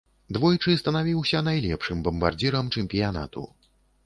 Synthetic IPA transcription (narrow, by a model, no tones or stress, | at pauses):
d̪vɔjt͡ʂɨst̪ɐnavʲiwsʲɐnajlʲɛpʂɨmbɐmba̰rd͡z̪ʲiɾɐmt͡ʂɛmpʲijana̰t̪ṵ